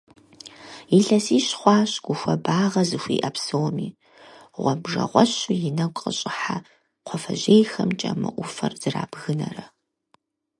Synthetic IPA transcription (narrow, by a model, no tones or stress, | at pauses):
iɬɐsiːɕχʷɑːɕɡʷʊxʷɐbaːʁɐzɨxʷḭːʔɐpsɨwmiː | ʁʷɔbʐɐ̰ʁʷɔɕʊjɪnɐkʷʼqʼəɕʼɪħa | qʷʰɔfɐʑejxɐmt͡ʃʼɐmɨ̰ʔʷʊfɐrz̥ɨra̰ːbɣɨnɐ̰rɐ